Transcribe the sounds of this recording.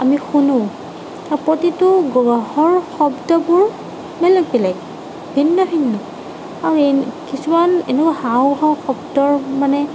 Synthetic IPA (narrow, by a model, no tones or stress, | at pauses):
amixunũ | apɹɔtitʊɡɔɡahɔɹxɔbdɔbʊɹ | mɛlɔk̚bɛlak | bʱinːɔbʱinːɔ | aɹuɛkisumanɛ̰nɛkwaɦawɦɔxɔbdɔɹmanɛ